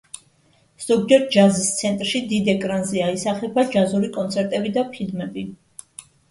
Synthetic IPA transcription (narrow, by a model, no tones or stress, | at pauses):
z̥ɔɡd͡ʒɛɾ̚d͡ʒazist̪sʰɛnt̪ʼɾʃid̪id̪ɛkʼɾanzɛaisaχɛbad͡ʒazuɾikʼɔnt̪sʰɛɾt̪ʼɛbid̪apʰilmɛbi